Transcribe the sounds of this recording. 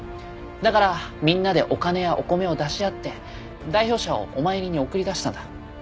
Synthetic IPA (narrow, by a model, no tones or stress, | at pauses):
d̪akaɾamʲĩnːad̪e̞ʔo̞kane̞jaʔo̞ko̞me̞o̞d̪aɕiat̪ːe̞ | d̪aiço̞ːɕao̰omaeɾʲiɲ̟io̞kɯɾʲid̪aɕi̥t̪ãnd̪a